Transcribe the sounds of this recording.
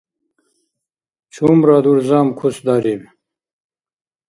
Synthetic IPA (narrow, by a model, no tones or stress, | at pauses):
t͡ɕʰuːmɾad̪uɾzaːmkʰusd̪aːɾib